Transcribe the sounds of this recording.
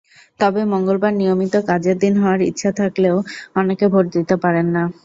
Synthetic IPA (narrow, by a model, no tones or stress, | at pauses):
t̪ɔbemoŋɡolbaɾnijomit̪okad͡ʑeɾd̪inɦɔoaɾḭtːɕʰat̪ʰakleoɔnekebʱoʈ̚d̪it̪epaɾenːa